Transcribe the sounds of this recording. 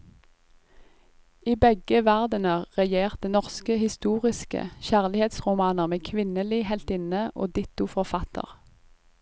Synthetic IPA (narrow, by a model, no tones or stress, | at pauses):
iːbɛɡəʋæʁd̪ənəʁɛjeːʁt̪̚ənɔʁskəhɪst̪uːʁɪskə̰çæːʁlɪheːt̪sʁʊmɑːnəʁmeːkʰʋɪnəliːhɛlt̪ɪnəʔo̰ːd̪ɪt̪ʊfɔʁfɑt̪ʰə̰ʁ